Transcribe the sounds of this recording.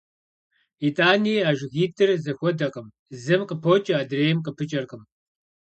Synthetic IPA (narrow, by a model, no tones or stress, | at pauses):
itʼaːniːaːʒɣiːtʰʼɨrzɐxʷɔdɐqʼəm | zɨmqəpʰoːt͡ʃʼɐaːdreːjɪmqəpʰɨt͡ʃʼɐrqʼəm